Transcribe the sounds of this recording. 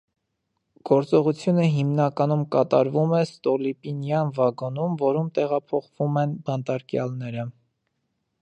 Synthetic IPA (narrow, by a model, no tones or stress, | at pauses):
ɡ̥ɔɾt͡sɔʁut͡sʰjunəɦimnɑkɑnumkɑt̪ɑɾvumɛst̪ɔlipinjɑnvɑɡɔnumvɔɾumt̪ɛʁɑpʰɔχvumɛnbɑnt̪ɑɾkjɑ̰lnɛɾə